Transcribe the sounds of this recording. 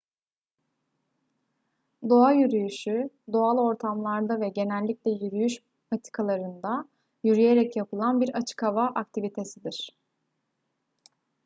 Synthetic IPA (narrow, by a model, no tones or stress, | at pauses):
d̪o̞ajyɾyjyʃy | d̪o̞alˠo̞ɾt̪ʰamlˠaɾd̪avɛɟe̞nɛlʲːiclʲɛjyɾyjyʃ | pat̪ʰi̥kʰalˠaɾɯnd̪a | jyɾyje̞ɾɛcjapɯlˠanbiɾat͡ʃʰɯ̥kavaʔak̚t̪ʰivit̪ʰe̞sid̪iɾ̥